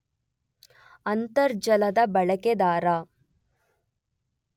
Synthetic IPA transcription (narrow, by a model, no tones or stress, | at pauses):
ɐnt̪ɐɾd͡ʒɐlɐd̪ɐbɐɭɐked̪aːɾaː